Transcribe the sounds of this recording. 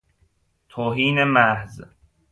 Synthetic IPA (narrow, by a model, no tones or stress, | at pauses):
t̪ʰoːɦiːnemæhz